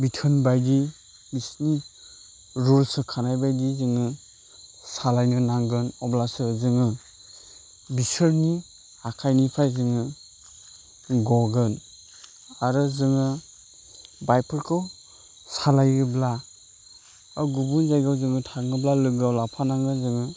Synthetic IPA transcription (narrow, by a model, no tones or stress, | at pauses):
bitʰɯnbajdi | bisni | ɾulsɯkʰanajbajdizɯŋɯ | salajnɯnaŋɡɯnɔblasɯzɯŋɯ | bisɯɾni | hakʰajnipʰajzɯŋɯ | ɡɔɡɯn | aɾɯzɯŋɯ | bajpʰɯɾkʰɯw | salajɯbla | aɡubunzajɡawzɯŋɯtʰaŋɯblalɯɡawlapʰanaŋɯzɯŋɯ